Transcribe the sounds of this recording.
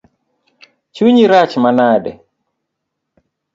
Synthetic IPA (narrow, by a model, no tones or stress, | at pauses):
t͡ʃuɲiɾat͡ʃmanaɗɛ̰